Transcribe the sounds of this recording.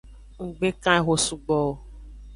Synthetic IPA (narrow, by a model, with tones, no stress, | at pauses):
ŋ̩˨ɡ͡be˦kã˦e˦ɦo˨su˦ɡ͡bɔ˨